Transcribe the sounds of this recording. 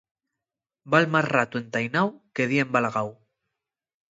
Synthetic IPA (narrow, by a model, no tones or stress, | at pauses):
balmasrat̪ue̞nt̪ajnawkeð̞iembalaɣaw